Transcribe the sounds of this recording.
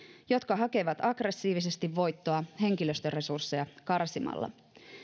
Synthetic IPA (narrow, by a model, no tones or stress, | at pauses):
jo̞t̪kɑɦɑke̞ʋɑt̪ɑɡre̞sːiːʋise̞st̪iʋːo̞jt̪ːoɑɦe̞ŋkiløst̪øre̞sursːejɑkɑrsimɑ̰lːɑ̰